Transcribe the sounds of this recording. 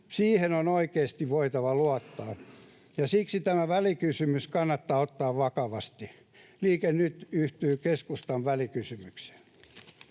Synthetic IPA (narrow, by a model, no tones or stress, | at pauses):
siːhenonoikeːst̪iʋʋoit̪ɑʋɑluɑt̪ːɑː | jɑsiksit̪æmæʋælikysymyskɑnːɑt̪ːɑːot̪ːɑːʋʋɑkɑʋɑst̪i | liːkennyt̪yht̪yːkeskust̪ɑʋʋælikysymykse̥n